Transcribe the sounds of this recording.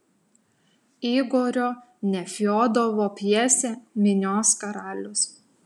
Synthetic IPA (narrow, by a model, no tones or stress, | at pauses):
iːɡoːɾʲoː | nʲɛfʲoːd̪ɐʋoːpʲjiɛsʲɛmʲɪnʲoːskɐɾɑːlʲʊs